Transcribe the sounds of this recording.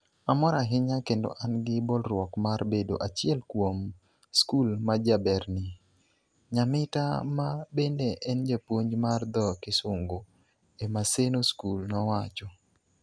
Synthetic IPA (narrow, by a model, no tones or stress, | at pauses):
amɔɾaɦɪɲakendo̰ʔanɡɪbɔlrwɔkmarbedo̰ʔat͡ʃɪɛlkwom | skulmad͡ʒabɛrnɪ | ɲamɪta̰mabendeʔɛnd͡ʒapwoɲmard̪ɔkɪsʊŋɡo | emasenoskulnɔwat͡ʃɔ